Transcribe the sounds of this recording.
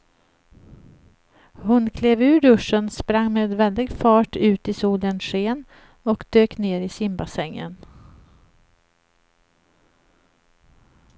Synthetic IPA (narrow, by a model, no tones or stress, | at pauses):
hʊnkʰleːvʉ̟ːɖɵʂːənspɾaŋːmeːd̪vɛld̪ɪɡfɑːʈʉ̟ːt̪ɪsuːlənʂeːn | ɔkd̪øːkneːɾɪsɪmbasɛŋːə̰n